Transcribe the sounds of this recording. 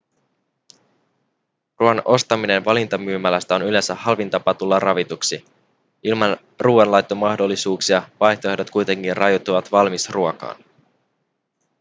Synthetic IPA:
ruɑnʔo̞st̪ɑmine̞nʋɑlint̪ɑmyːmælæst̪æo̞nyle̞nsæhɑlʋint̪ɑpɑt̪ulːɑrɑʋit̪uksi | ʔilmɑn | ruːɑnlɑjt̪ːomɑhdo̞lːisuːksiɑʋɑjçt̪oedo̞t̪kujt̪e̞ŋk̟inrʔɑjot̪ːuʋɑt̪ʋɑlmisruokɑ̰ːn

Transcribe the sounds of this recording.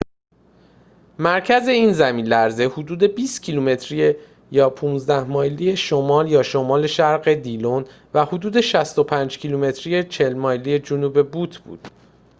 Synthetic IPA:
mæɾcʰæze̞iːnzæmiːnlæɾze̞hud̪uːd̪e̞biːst̪cʰiluːme̞t̪ʰɾije | jɒːpʰuːnzd̪æhmɒːjlije̞ʃomɒːljɒːʃomɒːle̞ʃæɾɢe̞d̪ilon | væhod̪uːd̪e̞ʃæst̪o̞pʰæːnd͡ʒcʰiluːme̞t̪ʰɾije̞t͡ʃʰe̞lmɒːjlije̞d͡ʒonuːbe̞buːt̪ʰb̥ṵːd̪̥

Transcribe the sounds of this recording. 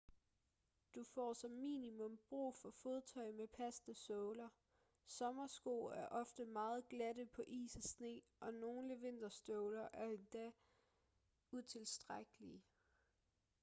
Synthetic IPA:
d̥ufɒ̰ːsɒ̽mːḭːnimɔ̽mb̥ʁṵːfɒ̽fo̝ðˠt͡sʰɒ̽ɪ̰mepʰæsd̥əsɔːlɐ | sɒ̽mɐsɡ̥o̝̰ːæɐʔɒ̽fd̥əmɑ̈ːð̞̩ˠɡ̥læɾəpʰɒ̽ʔḭːsæsne̝̰ː | ʔɒ̽no̝ːnləʋe̝n̰d̥ɐsd̥ɔʊlɐʔæɐend̥æ | ut͡sʰe̝lsd̥ʁaɡ̥əli

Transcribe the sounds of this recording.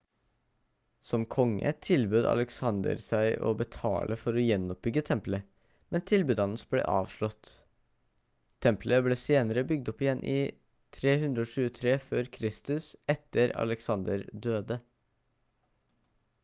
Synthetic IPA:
sɔmkʰɔŋːə̰t̪ʰɪlbʉːd̪ɑ̰ləksɑnd̪ə̰ɾsæɪʔo̰ːbət̪ʰɑ̰ːlʔəfɔɾɔːjɛnɔp̚bʏɡət̪ʰɛmplə | mɛnt̪ʰɪlbʉːd̪ɑnəsblḛːʔɑːʋʂɭɔt̪ | ɛmpləbleːseːnəɾəbʏɡ̚d̪ɔpɪjɛnːʔi | t̪ʰɾeːhʉnd̪ɾəoːʃʉːət̪ʰɾeːføːɾkʰɾɪst̪ʉsɛt̪əɾɑ̰ləksɑnd̪əɾd̪øːd̪ə

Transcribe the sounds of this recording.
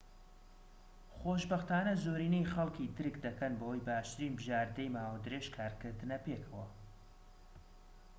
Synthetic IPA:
χoːʃbɐxt̪aːnɐzoːɾiːnejχɐlˠkid̪ɨɾɨkd̪ɐkɐnbɐwɐjbaːʃt̪ɨɾiːnbɨʒaːɾd̪ɐjmaːwɐd̪ɨɾeʃkʰaːɾkɨɾd̪ɨnɐpeːkʰɐwɐ

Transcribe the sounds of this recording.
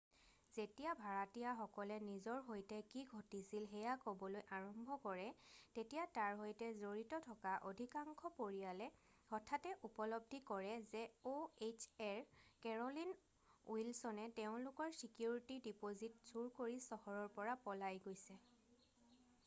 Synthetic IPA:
z̥etijabʱaɹatijaxɔkɔlɛnizɔɹɦojtɛkiɡʱotisilɦɛjakobɔlojʔaɹɔmbʱɔkɔɹɛtetijataɹɦojtɛzoɹitɔtʰɔkaʔodʱikaŋkʰɔpoɹijalɛ | hɔtʰatɛʔupɔlɔb̚dʱikɔɹɛzɛoet͡ʃɛɹkɛɹɔlin | ṵilsɔnɛteʊ̃lʊkɔɹsikjuɹitidipozitz̥uɹkoɹisɔhɔɹɔɹpɔɹapɔlajɡojsɛ

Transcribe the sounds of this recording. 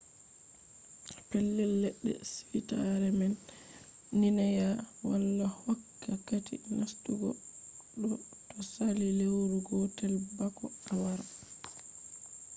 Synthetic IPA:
pɛlːɛlːɛɗːɛ̰sifitaɾɛmɛnː | inajawalːahakːakatḭnʔastuɡɔ̰ɗɔ | tɔsalilewɾuɡɔtɛlbakɔawaɾa

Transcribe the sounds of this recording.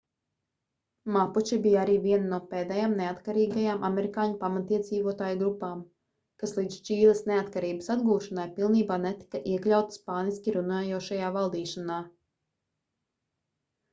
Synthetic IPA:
maput͡ʃibijaaɾiːviɛnnuɔpeːd̪ɛjaːmneat̪kaɾiːɡajaːmʔameɾikaːɲupamat̪iɛd̪ziːvuɔt̪aːjuɡɾupaːm | kaslˠiːd̪z̥t͡ʃiːlˠɐsneat̪kaɾiːbəsad̪ɡuːʃanajpilˠniːbaːnɛt̪i̥kaʔiɛklʲawt̪spaːniskʲiɾunaːjuɔʃajaːvalˠd̪iːʃanaː

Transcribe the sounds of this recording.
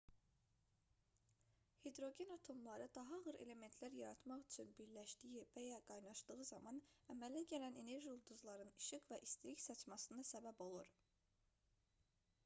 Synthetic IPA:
hed̪ɾo̞ɟe̞nɑt̪ʰo̞mlˠɑɾɯd̪ɑɦɑʁɯɾe̞̰le̞me̞nt̪ʰlæɾjɑɾɑt̪mɑχyt͡ʃʰynbiɾlæʃd̪ijivæjæɡ̥ɑjnɑʃd̪ɯɣɯzɑmɑnæmælæɟælæne̞ne̞ɾʒiulˠd̪uzlˠɑɾɯniʃɯɣvæʔist̪ɾicsɑt͡ʃmɑsɯnd̪ɑsæbæbo̞lˠuɾ

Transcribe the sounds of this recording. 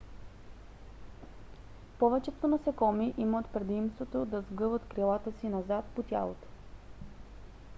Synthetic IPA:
pɔvɛt͡ʃɛt̪onɐsɛkɔmiʔimət̪pɾɛd̪imst̪vot̪od̪ɐzɡɤvət̪kɾilˠat̪əsinɐzat̪pot̪ʲja̰lˠo̰t̪o̥

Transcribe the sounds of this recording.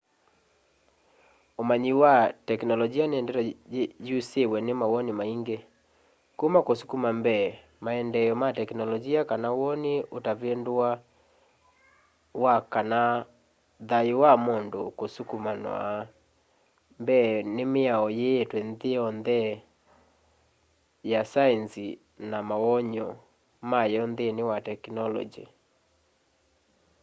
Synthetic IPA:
omaɲiwatɛknɔlɔd͡ʒianeɛndɛtɔjusewɛnɪmawɔnimaiŋɡe | kumakosu̥kumambɛ | maɛndɛjɔmatɛknɔlɔd͡ʒiakanawɔniotavendwa | wakana | ðaiwamondokosukumanɔ̰ | mbɛnemeaɔjeːtwɛnðeɔnðɛ | jasaɛnsi | namaɔɲɔ | majɔnðenewatɛknɔlɔ̰d͡ʒḭ

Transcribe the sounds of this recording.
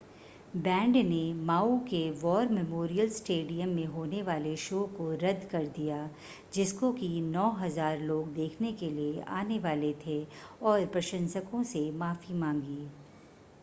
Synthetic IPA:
bɛ̃ːɳɖnemaːukeʋɔːɾmɛmoːɾijəlsʈeːɖijəmːẽɦoːneʋaːleʃoːkoɾɐd̪ʱkɐɾd̪ija | d͡ʒɪskokinɔːɦɐzaːɾloːɡd̪eːkʰnekeliea̰ːneʋaːlet̪ʰeɔːɾpɾɐʃə̃nsəkõsemaːfimãːŋɡiː

